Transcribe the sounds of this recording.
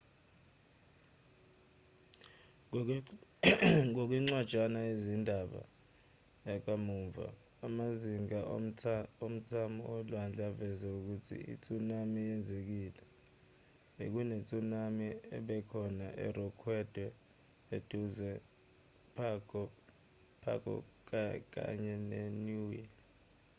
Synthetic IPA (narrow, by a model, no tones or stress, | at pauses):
ŋok̬wiŋ͡ǀwad̥ʒ̥ʱanaizindʱaɓa̰ | ak̬amuɱva̰ː | maziŋa | om̩tʰamɔ̰ɔlwand͡ɮʱavɛzɛuk̬utʰḭḭt͡sʼunamijɛnd͡zʱek̬iːlɛ | ḛk̬unet͡sʼunamiɛ̰ɓɛkʰɔnaʔɛ̰rɔkʰwɛd̥ʱwɛ | ed̥ʱuzɛ | pʰ | pʰa̰kʰɔ̰k̬ak̬a̰ɲɛnenuwi